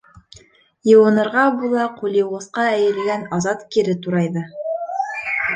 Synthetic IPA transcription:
jɤ̆wɤ̆nɤ̆ɾʁɑbulˠɑqulʲˠĭwʁɤ̆sqɑæjɘ̆lɡænɑzɑt̪kiɾɘt̪uɾɑjðɤ

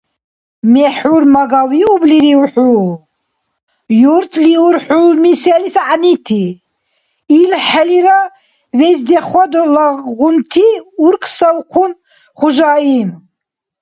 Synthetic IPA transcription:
mɛħuɾmaɡawiubliɾiuħu | juɾt̪ʰʼliuɾħulmisɛlisʕanit̪ʰi | lħɛliɾa | vɛzd̪ɛχwad̪laɣunt̪ʰiuɾkʰsawqʰun | χuʒaːim

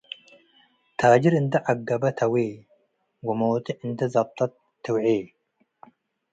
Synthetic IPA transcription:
t̪ʰaːd͡ʒiɾɨnt̪ʰɨʕaɡːɐbɐt̪ʰɐwe | wɐmowt̪ʰiʕɨnt̪ʰɐzɐb̚t̪ʰʼɐt̪ʰː | ɨwʕi

